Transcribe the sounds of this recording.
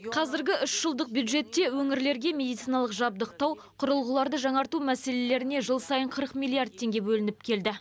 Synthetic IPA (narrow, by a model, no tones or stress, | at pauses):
qʰɑzɪɾɡʲɪʔʏʃʒ̥əlˠd̪əq̚bjud̪ʒe̞t̪ːe̞wɵŋɪɾle̞ɾɡʲe̞mʲe̞d̪ijt̪sijnɑlˠəqʒɑb̚d̪əq̚t̪ɑw | qʰʊɾəlˠʁəlˠɑɾd̪əʒɑɴɑɾt̪umæse̞le̞le̞ɾɪne̞ʒəlˠsɑjəɴqʰəɾəqmʲijlˠiard̪̚t̪ʰːe̞ŋɡʲe̞bɵlɪnɪp̚kʲʰe̞ld̪ɪ